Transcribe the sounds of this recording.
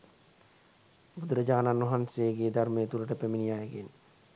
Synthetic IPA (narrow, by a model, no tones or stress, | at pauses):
bud̪ɾəd͡ʒaːnanʋɐɦanseːɡeːd̪aɾmeːt̪uləʈəpeminijaːjəɡen